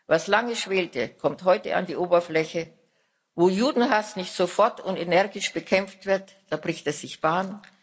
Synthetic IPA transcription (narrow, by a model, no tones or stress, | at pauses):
vaslaŋəʃv̥eːltəkʰɔmtɦɔʏtə̰ʔa̰ndiːʔoːbɐflɛçə | voːjuːdn̩ɦasnɪçtz̥ofɔɐtʊntenɛɐɡɪʃb̥əkʰɛmp͡ftv̥ɪɐt | d̥aːbʁɪçtɛɐz̥ɪçb̥aːn